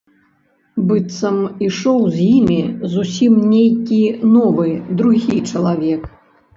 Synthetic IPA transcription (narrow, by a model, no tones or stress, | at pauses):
bɨt̪sɐmiʂɔwzʲjimʲizusʲimnʲejkʲinɔvɨd̪ɾuɣʲit͡ʂɐlˠavʲɛk